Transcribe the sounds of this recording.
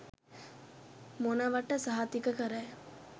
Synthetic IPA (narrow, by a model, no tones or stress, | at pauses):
monɐʋɐʈːɐsɐɦat̪ikɐkɐɾɛ